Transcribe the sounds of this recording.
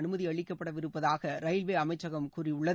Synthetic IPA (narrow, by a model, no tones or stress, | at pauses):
nɯmɐðiɐɭɪkːɐpːɐɽɐʋɪɾɯpːɐðaːɣɐɾɐjlʋeːɐmɐɪt͡ʃːɐɣɐmkuːriʊɭːɐ